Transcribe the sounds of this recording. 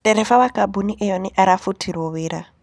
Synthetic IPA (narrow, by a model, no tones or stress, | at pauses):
tɛɾɛfaβakabuniʔɛjɔniʔaɾafutʰiɾɔβiɾa